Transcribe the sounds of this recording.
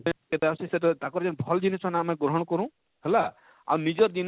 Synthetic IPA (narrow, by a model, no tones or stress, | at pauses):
ket̪asisetɔt̪akɔɾd͡ʒɔnbʱɔld͡ʒinisʰɔnamẽɡɾɔɦɔɽ̃kɔɾũ | ɦela | a̰wnid͡ʒɔɾdin